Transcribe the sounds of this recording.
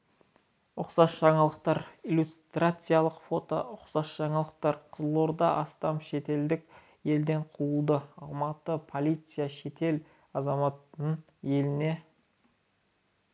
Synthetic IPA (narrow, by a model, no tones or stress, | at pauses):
ʊqsɑsʒ̥ɑɴɑlˠəqt̪ɑɾilʲust̪rat̪sɨjalˠəqfo̞t̪o̞̰ʊqsɑsʒ̥ɑɴɑlˠəq̚t̪ɑɾqʰəzəlˠo̞ɾd̪ɑʔɑst̪ɑmʃe̞t̪e̞ld̪ɪk | je̞ld̪e̞ɴqʰuəlˠd̪əɑlˠmɑt̪əpʰo̞lʲˠijt̪sɨjaʃe̞t̪e̞l | ɑzɑmɑt̪əɴ | je̞lɪne̞